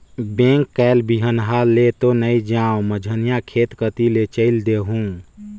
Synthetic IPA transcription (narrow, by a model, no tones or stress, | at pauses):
bẽŋkːɛlbiɦənɦalet̪onəid͡ʒãoməd͡ʒʱənijakʰet̪kət̪ilet͡ʃəɪld̪eɦũ